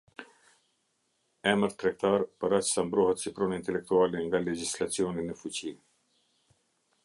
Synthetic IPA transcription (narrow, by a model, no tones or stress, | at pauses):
ɛməɾt̪ɾɛkt̪aɾpəɾat͡ʃsambɾɔɦɛt̪sipɾɔnint̪ɛlɛk̚t̪ualɛŋɡalɛd͡ʑislat͡siɔninəfut͡ɕi